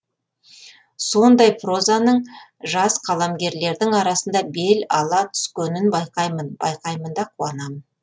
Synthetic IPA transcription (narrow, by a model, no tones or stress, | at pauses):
so̞nd̪ɑjpro̞zanəɴʒɑsqʰɑlˠɑmɡʲe̞ɾle̞ɾd̪ɪŋɑɾɑsənd̪ɑbe̞lɑlˠɑt̪ʰʏ̥skʲenɪnbɑjqɑjmənb̥ɑ̰jqɑjmənd̪ɑqʰuɑnɑmən